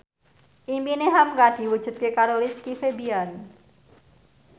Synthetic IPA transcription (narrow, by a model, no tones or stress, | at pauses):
ʔimpineɦamŋɡad̪̥i̤wud̥ʒ̥ṳt̪̚kekaɾolɪskifebian